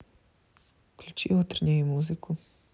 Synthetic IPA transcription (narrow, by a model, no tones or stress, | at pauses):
klʲut͡ʃḭːʋot̪ɾɲiʋimuːziku